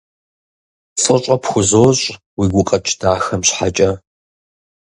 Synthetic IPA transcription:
t͡sʼɨɕʷʼɐpxʷʊzoːɕʼ | wiːɡʷʊqʼɐt͡ʃʰʼd̥aːxɐmɕħat͡ʃʼɐ

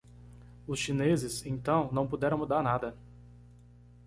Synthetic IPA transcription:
ʊsʃinezɪsẽt̪ɐ̃w̃nɐ̃w̃pud̪ɛɾɐ̃w̃mud̪aɾnad̪ɐ

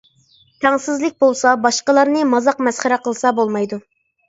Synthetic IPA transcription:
t̪ʰɛŋsɪzlɪk̚ʲbolˠsɑbɑʃqəlˠɑɾnɨmɑzɑqmɛsχæɾæqəlˠsɑbolˠmɑjd̪u

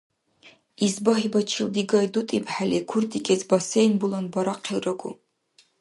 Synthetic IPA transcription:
izbɐɦibɐt͡ʃʰild̪iɡɐdutʼibʰħalikʷʰurd̪ʼikʲʼɛzbɐsejnbulɐnbɐɾɐqʰilrɐɡʷṵ

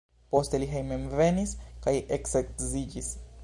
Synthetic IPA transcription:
po̞st̪e̞liɦejmemve̞niskajʔeksektzid͡ʒis

